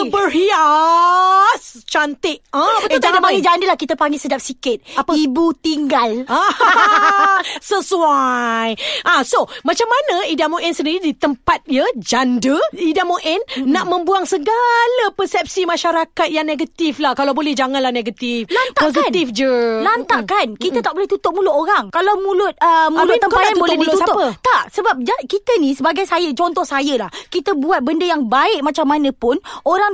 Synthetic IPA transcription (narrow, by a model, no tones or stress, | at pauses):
əbərhia | st͡ʃant̪ɪʔãət̪adapaŋɡid͡ʒandəlahkit̪apaŋɡisədap̚sikɪt̪̚apaibut̪iŋɡala | səsuajʔasomat͡ʃamːanə̃idamoʔɛnsəndiɾidit̪əmpat̪̚ijəd͡ʒandəidamoʔɛnːaʔmə̃mbuaŋsəɡalapəsɛp̚simãʃaɾakat̪̚jaŋneɡat̪iflahkalawbolɛhd͡ʒaŋãnlahneɡət̪ifanaposkinifd͡ʒəlant̪aʔkankit̪at̪aʔbolɛht̪ut̪ʊʔ̚mulʊʔ̪oɾaŋkalawmũlʊt̪̚əmalʊəmkpajanubolɛiʊusaət̪aʔsəbap̚d͡ʒakit̪ənisəbaɡajsajət͡ʃɔnt̪ɔhsajəlahkit̪əbuat̪̚bəndəjaŋbaɪʔmat͡ʃamːanə̃pʊnoɾaŋ